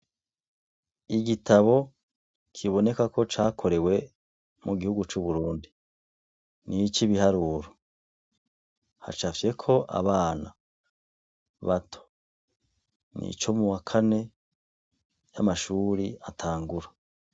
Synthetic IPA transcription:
iɡitʰaβo̞ | kʰiβo̞ne̞kako̞t͡ʃaːkʰo̞ɾe̞we̞ | muɡihuɡut͡ʃuβuɾuːndi | nit͡ʃiβihaɾuːɾo | ha̰t͡ʃafe̞kʰo̞ʔa̰βaːna̰ | βatʰo̥ | nḭt͡ʃo̞muwakʰane̞ | jamaʃuːɾiatʰaːŋɡuɾa

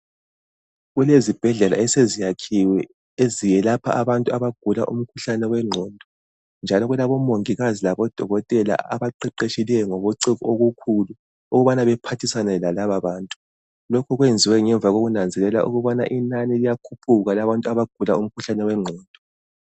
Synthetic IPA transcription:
ɣulezib̥ʱɛɮɛla̰ɛsezijakʰiwɛ | ezijɛlapʰa̰aβantʼuaβaɡ̥ʱula̰ʔṵm̩kʰuɬanɛwɛŋ͡ǀʱɔːndʱɔ | nd͡ʒʱalɔɣulaβɔmoŋiɣazilaβɔd̥ʱɔɣɔtʼɛla̰a̰βaǃɛǃeʃilɛjɔŋɔβoǀiɣuoɣukʰulu | uɣuβanaβɛpʰatʰisanɛlalaβaβaːntʼu̥ | lokʰɔɣwend͡zʱiwɛŋɛɱvʱaɣoɣunand͡zʱɛlɛla̰ʔṵɣuβana̰ʔinanilijakʰupʰuɣalaβantʼaβaɡ̥ʱulaum̩kʰuɬanɛwɛŋ͡ǀʱɔːndʱɔ

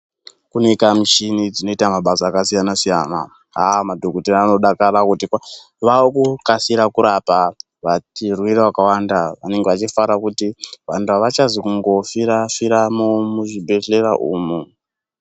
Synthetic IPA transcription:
kunekamit͡ʃinid͡zino̞itamaɓasaːkasijanasijana̰ | amadʱokoteɾaːno̞ɗakaɾakutikwa | ʋaokukasiɾakuɾapa | ʋatirwirawakawandaʋane̞ŋɡeʋat͡ʃifaɾakutiʋantuaʋat͡ʃazikuŋɡo̞fiɾafiɾamumuʒibʱe̞ɮe̞ra̰ʔṵːmu

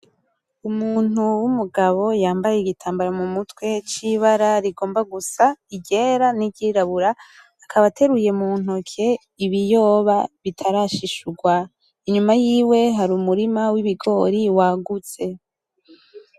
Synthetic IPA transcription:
umuːn̥uwumuɡaβo̞jaːmbajeiɡitʰaːmbaɾamumutwe̞t͡ʃiβaɾaɾiɡo̞ːmbaɡusaiɟe̞ːɾaniɟiɾaβuɾaː | kʰaβatʰe̞ɾuje̞mun̥okʰe̞ | iβijo̞ːβaβitʰaɾaʃiʃuɡwa | iɲumajiːwe̞ɦaɾumuɾimawiβiɡo̞ːɾiwaɡut͡se̞

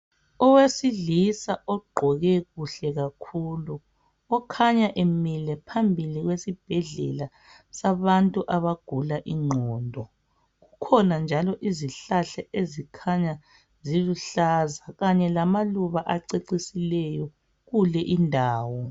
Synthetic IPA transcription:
ɔwesiɮisaʔɔɡ͡ǃʱɔɣɛɣuɬɛɣakʰuːlu | ɔkʰaɲaʔemilɛpʰambʱiliɣwesib̥ʱɛɮɛ̰la | saβantʼuʔaβaɡ̥ʱulaʔiŋ͡ǃʱɔːndʱɔ | ɣukʰɔnand͡ʒʱalɔʔiziɬaɬaʔezikʰaɲa | ziluɬazaɣaɲɛlamaluβaʔaǀeǀisilɛjɔ | ɣulɛʔindʱaːwɔ

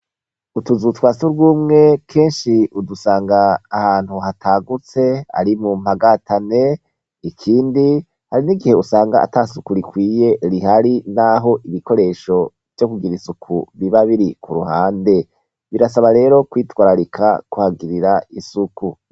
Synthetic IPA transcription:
utuzutwaːsuɾɡuːmŋe̞kʰe̞ːnʃiudusaːŋɡaːhaːn̥huhatʰaɡut͡se̞a̰ɾimum̥haɡatane̞ | ikʰiːndi | haɾiniɡihe̞usaːŋɡa̰ːtasukuɾikwiːje̞ɾiɦaɾinaɦo̞ʔiβiko̞ɾe̞ːʃo̞ | v̥jo̞kuɡiɾisukʰuβiβaβiɾikʰuɾuhaːnde̞ | βiɾas̬aβaɾe̞ːɾo̞kwiːtwaːɾaɾikʰa̰kuhaɡiɾiɾaisuku

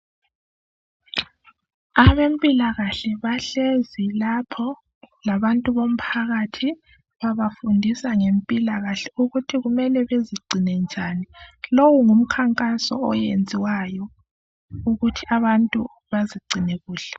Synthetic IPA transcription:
aβempʼilaɣaɬɛβaɬezilapʰɔ | laβantʼuβom̩pʰaɣatʰi | βaβafundʱisaŋempʼilaɣaɬɛuɣutʰiɣumɛlɛβeziɡ͡ǀʱinɛnd͡ʒʱaːnilowuŋum̩kʰaŋkʼasɔ̰ɔjend͡zʱiwajɔ | uɣutʰiaβantʼṵ | βaziɡ͡ǀʱineɣuːɬɛ̥

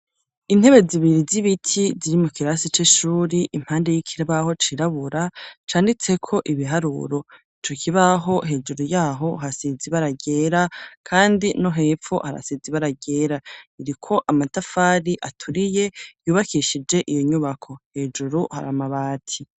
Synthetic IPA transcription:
in̥he̞βe̞ziβiɾiziβitʰiziɾimukiɾasit͡ʃeʃuːɾiʔim̥haːnde̞jikʰiɾeβaho̞t͡ʃiɾaβuɾat͡ʃaːndit͡se̞kʰo̞ʔiβiɦaɾṵːɾo̞it͡ʃo̞kʰiβaɦo̞ɦe̞ːd͡ʒuɾujaːɦo̞ɦasiziβaɾaɡe̞ːɾakʰaːndino̞ɦe̞ːfo̰ha̰ɾa̰siziβaɾaɡe̞ːɾaiɾikʰo̞ʔamatafaːɾiʔatʰuɾije̞juːβakʰiʃid͡ʒe̞ʔijo̞ɲuβakʰo̞he̞ːd͡ʒuɾuha̰ɾamaβaːtʰi

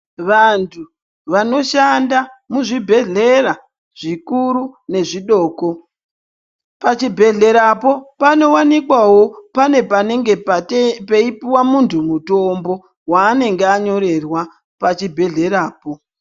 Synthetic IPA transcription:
ʋantʰu | ʋano̞ʃandamuʐibʱe̞ɮe̞ɾa | ʐ̥ikuɾune̞ʐiɗo̞ːko̞ | pat͡ʃibʱe̞ɮe̞ɾapo̞pano̞wanikwawo̞pane̞paneŋɡe̞ppeipiwamuntʰumuto̞mbo̞ | waːne̞ŋɡeaɲo̞ɾe̞rwa | pat͡ʃibʱe̞ɮe̞ɾaːpo̞

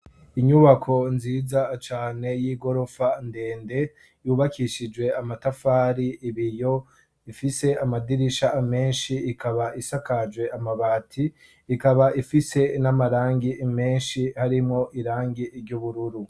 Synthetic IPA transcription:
iɲuβakʰo̞nziːd͡zat͡ʃaːne̞jiːɡo̞ɾo̞fande̞ːnde̞ | juːβakʰiʃid͡ʒwe̞amatafaːɾiiβijo̞ | ifise̞amadiɾiʃaʔːme̞ːnʃiːkaβaʔisakad͡ʒɡwe̞ʔamaβaːtʰiː | kaβaʔifise̞namaɾaːŋɡiʔime̞ːnʃihaɾimŋo̞ʔiɾaːŋɡiʔɾɟuβuɾuɾu

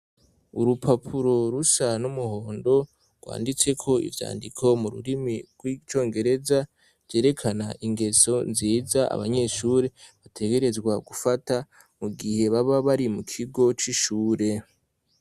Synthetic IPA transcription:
uɾupʰapʰuɾo̞ɾusanumuho̞ːndo̞ | ɾɡ̥wa̰ːndit͡se̞kʰo̞ḭvja̰ːndikʰo̞muɾṵɾimiɡ̥wit͡ʃo̞ːŋɡe̞ɾe̞za | vjeːɾe̞kʰanaʔiŋɡe̞so̞nziːzaʔa̰βaɲe̞ʃuːɾe̞βatʰe̞ɡe̞ɾe̞zɡwaɡufata | muɡihe̞βaβaβaɾimukʰiɡo̞t͡ʃiʃuːɾe̞

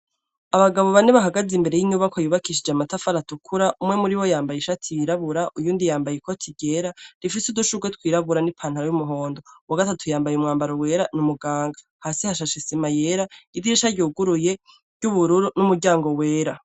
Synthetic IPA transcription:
aβaɡaβo̞βaneβaɦaɡazimbe̞ɾejiɲuβakʰojuβakiʃ̬id͡ʒamatafaɾatukʰuɾaʔumŋe̞muɾiwo̞jaːmbajeʃatʰijiɾaβuɾaʔujuːndijaːmbajiko̞tʰiɟe̞ɾaɾifisuduʃuɡwet̚wiːɾaβuɾanipʰaːn̥haɾajumuɦo̞ːndo̞waɡatatʰujaːmbajumŋaːmbaɾowe̞ːɾanumuɡaːŋɡḁ | hasihaʃaʃisimajeɾaidiɾiʃaɾɟuːɡuɾuje̞̥ | ɟuβuɾuɾunumuɾɟaːŋɡo̞we̞ːɾa

